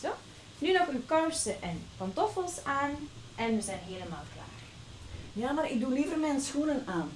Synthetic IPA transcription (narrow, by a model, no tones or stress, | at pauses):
o | nynɔxywkɑwsəʔɛnpantɔfəlˠsaːnʔɛnʋəzɛjnɦeːləmaːlˠkla̰ːr | jaːmaːɾɪk̚dulivərmɛnsxunənaːn